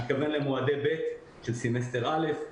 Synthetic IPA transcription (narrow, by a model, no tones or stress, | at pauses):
it̪kavenlemoad̪ebe̞t̪ | ʃelsimes̬t̪eʁale̞f